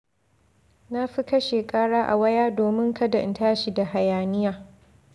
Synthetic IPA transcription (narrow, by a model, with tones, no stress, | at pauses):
na˦ɸi˦kɐ˦ʃeː˨kʼaː˦ɽaː˦ʔa̰˨wɐ˦jaː˦doː˨mɪ˦ŋkɐ˦da˨ɪ˦ntaː˦ʃi˦da˨ha˨jaː˨nɪ˦jaː˨